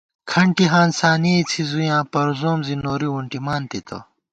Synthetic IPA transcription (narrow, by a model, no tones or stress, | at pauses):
kʰɐɳʈiɦãːnsaːnit͡sʰizujãːpɐɾzoːmzinoːɾiwuɳʈimaːnt̪it̪ʰɐ̰